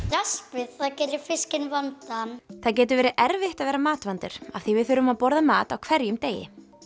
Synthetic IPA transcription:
ɾaspvɪðθaðcɛːɾɪfɪscɪnvant̪aθaðcɛːt̪ʏɾvɛːɾɪʔɛɾvɪht̪aðvɛːɾamaːt̪vant̪ɪɾ̥a̰v̥θivɪðθʏːɾʏmaðpɔɾðamaːt̪awkʰvɛɾjʏmt̪eːjɪ̰

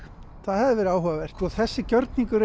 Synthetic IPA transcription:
θaðhɛvðɪvɛɾaːwhœvavɛr̥t̪ɔθɛsːɪcœɾt̪niŋkʏɾ

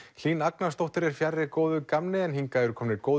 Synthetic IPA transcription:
l̥iːnaknast̪owht̪ʏɾɛɾ̥fjarːɪkoːwðʏkamnɪɛnɦiŋkaɛɾʏkʰɔːmnɪɾkoːwð

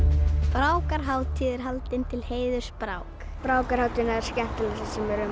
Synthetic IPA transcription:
pɾaːwkaɾɦaːwt̪ʰiːðɪɾɦalt̪ɪnt̪ʰɪlheːjðʏ̥spɾaːwk | pɾaːwkaɾhawt̪ɪnaɛɾ̥scɛn̥t̪ɪlasɪsɛmɛɾʏ

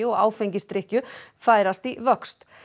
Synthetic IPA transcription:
ɪɔɣa̰ːwfeɲcɪst̪ɾɪhcʏfaːjɾast̪ivœkst̪

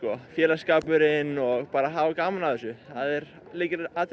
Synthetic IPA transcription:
kɔfjɛːlḁskaːpʏɾɪnɔɣpaːɾaɦaːvakaːmanaðθɛsʏθaðɛɾ | liːcɪɾat̪

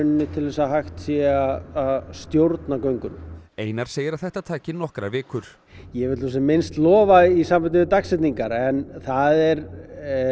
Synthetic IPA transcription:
ʏnːɪt̪ʰɪlvɛːsaɦajxt̪sjɛaðaðst̪jowɾt̪nakœɥŋkʏneːjnaɾ̥seːjɪɾaθɛht̪at̪ʰaːcɪnɔhkɾavɪːkʏɾ̥ | jɛvɪt̪us̬ɛmɪnst̪lɔːvaisamfat̪ɪvɪt̪aksɛt̪niŋkaɾɛnθaðɛɾ

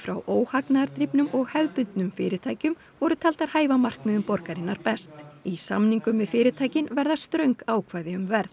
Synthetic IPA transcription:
fɾawʔoːwhaknaɾt̪ɾipnʏmʔɔɣhɛðpʏnt̪nʏmfɪːɾɪt̪ʰaːjcʏm | vɔɾʏt̪ʰal̥t̪aɾ̥haːjvamar̥kmɪðʏmpɔɾkaɾɪnːaɾpɛst̪isa̰mniŋkʏmːɪðfɪːɾɪt̪ʰaːjcɪnvɛɾðast̪ɾœɥŋkaːwkʰvaːjðɪʏmvɛɾθ

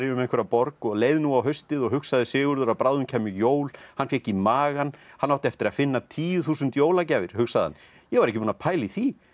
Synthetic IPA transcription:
ɾjʏʏmɛnkʰvɛɾapɔɾkɔɣleːjðɪnuawɦœɥst̪ɪðɔɣɦʏksaðɪsɪːɣʏɾðʏɾaðpɾawðʏncʰɛːmʏjoːwlhanfjɛcimaːɣanhanːaw̥t̪ɪɛft̪ɪɾaðfɪnːat̪ʰiːjʏθuːsʏnt̪joːwlacaːvɪɾ̥hʏksaða̰n | jɛɣvaɾɛhcːɪpuːnapʰaːjliθi

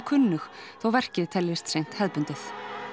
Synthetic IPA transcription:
kʰʏnːʏxθawvɛr̥cɪðt̪ʰɛljɪst̪sejn̥t̪hɛðpʏnt̪ʏθ

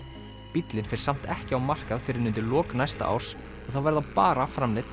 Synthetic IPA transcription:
pit̪lɪnfɪɾ̥sam̥t̪ɛhcɪawmar̥kaðfɪɾɪɾnʏnt̪ɪlɔːknajst̪a̰ʔa̰wɾ̥s | ɔɣθawvɛɾðapaːɾafɾamlɪt̪

